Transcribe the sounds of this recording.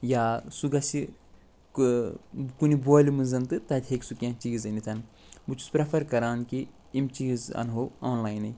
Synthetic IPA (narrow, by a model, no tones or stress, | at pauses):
jaːsuɡɐsi | kuniboːlimɨnzɐnt̪ɨt̪ɐt̪ʲɦeksukʲãːt͡ʃiɡzɐnit̪ʰɐn | but͡ʃʰu̥spɾɐpʰɐɾkɐɾaːnki | imt͡ʃizɐ̰nɦooːnlaːjnɨ